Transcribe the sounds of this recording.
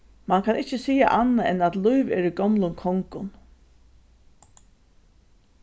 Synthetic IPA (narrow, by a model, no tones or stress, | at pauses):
mankʰanʔɪht͡ʃəsiːa̰ʔanːaɛnat̪lujʋɛ̰ɹiɡɔmlʊnkʰɔŋkʊn